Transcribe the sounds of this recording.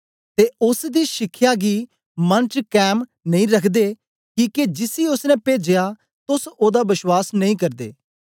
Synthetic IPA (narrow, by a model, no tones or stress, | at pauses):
t̪eːʊsd̪iːʃɪkʰːjaːɡiː | mənt͡ʃkɛːmnəĩːɾəkʰd̪eː | kĩːked͡ʒɪsiːʊsnɛ̃ːpeːd͡ʒejaː | t̪ʊsoːd̪aːbɪʃwaːsnəĩːkəɾd̪ḛː